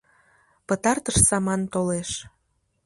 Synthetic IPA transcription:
pət̪ɑrt̪əʃsɑmɑnt̪oleʃ

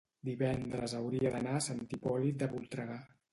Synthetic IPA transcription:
d̪iβɛnd̪ɾəzəwɾiəðənasənt̪ipɔlit̪̚d̪əβulˠt̪ɾəɣa

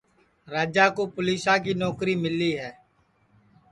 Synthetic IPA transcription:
ɾaːd͡ʒaːkoːpʊliːsãːk̬iːnɔːkɾiːmɪliːɦɛː

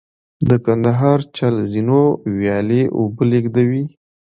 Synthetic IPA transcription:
d̪əkand̪aɦɑɾt͡ʃalzinowjɑleʔo̰bəleɡd̪awi

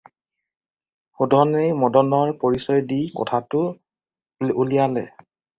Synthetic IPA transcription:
xudʱɔnejmɔdɔnɔɹpoɹisɔjdikɔ̰tʰatʊ | ulijalɛ̰

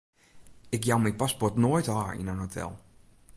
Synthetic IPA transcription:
ɪkjawmijpaspɔɹtnoːjtaːɹḭnanɦotʰɛ̰lˠ

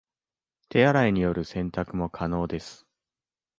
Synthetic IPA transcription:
t̪e̞aɾaiɲ̟ijo̞ɾɯ̟sẽ̞nt̪akɯ̟mo̞kʰano̞ːd̪e̞sɨ̥

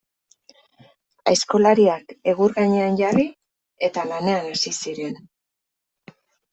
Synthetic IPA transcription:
a̰esko̞laɾiake̞ɣuɾɣaɲe̞anɟari | e̞t̪alane̞anasisiɾe̞n

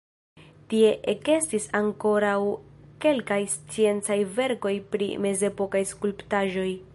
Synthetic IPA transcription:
tie̞ʔeke̞stisaŋko̞ɾawke̞lkajst͡sie̞nt͡sajve̞ɾko̞jpɾḭme̞ze̞po̞kajskulptaʒo̞j

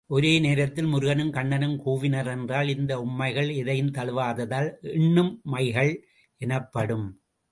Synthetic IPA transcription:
ʔɔɾeːneːɾɐt̪ːɪlmʊɾɯɣɐnɯmkɐɳːɐnɯmkuːʋɪnɐɾɛndraːlɪnd̪ɐʊmːɐɪɣɐɭɪðɐjɯmt̪ɐlɯʋaːðɐðaːlɪɳːɯmːɐɪɣɐɭ | ɛnɐpːɐɽɯm

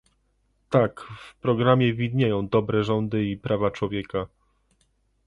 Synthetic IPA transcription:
t̪akfpɾɔɡɾamʲjɛvʲid̪ɲejɔ̃w̃d̪ɔbɾɛʐɔnd̪ɘipɾʔavat͡ʂwɔvʲjɛka

